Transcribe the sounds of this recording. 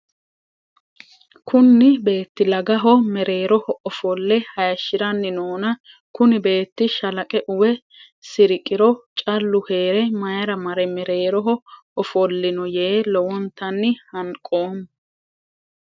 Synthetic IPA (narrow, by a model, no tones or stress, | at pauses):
kʊnːɪbe̞ːt̪ːɪlɐɡɐɦɔmɛɾe̞ːɾɔhɔɔfɔlːɛhɐjɐʃːɪɾɐnːɪnoːnɐ | kʊnɪbe̞ːt̪ːɪʃɐlɐkʼɛʔʊwɛ | sɪɾɪkʼːɪɾɔt͡ʃʼɐlːʊhe̞ːɾɛmɐjɐɾɐmɐɾɛmɛɾe̞ːɾɔɦɔ | ɔfɔlːɪnɔje̞ːlɔwɔnt̪ɐnːɪhɐŋkʼoːn